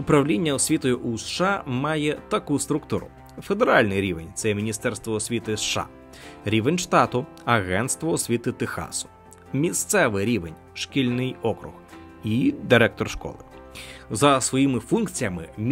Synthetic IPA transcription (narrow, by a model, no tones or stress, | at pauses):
ʊpɾɐwlʲinʲːɐɔsʲʋʲit̪ɔjʊʔusʃɑmɑjɛt̪ɐkust̪ɾʊkt̪uɾʊ̰ | fe̞d̪eɾɑlʲnɪjɾʲiʋenʲt̪sɛmʲinʲist̪ɛɾst̪ʋɔɔsʲʋʲit̪ɪsʃɑ̰ | ɾʲiʋenʲʃt̪ɑt̪ʊ | ɐɣɛnt̪st̪ʋɔːsʲʋʲit̪ɪt̪ɪxɑ̰sʊ̥ | mʲist̪sɛʋɪɾʲiʋenʲ | ʃkʲilʲnɪjɔkɾʊ̰ɣ | id̪ɪɾɛk̚t̪ɔrʃkɔ̰lˠɪ̰ | zɐsʋɔjimɪfunk̚t͡sʲijɐmɪmʲ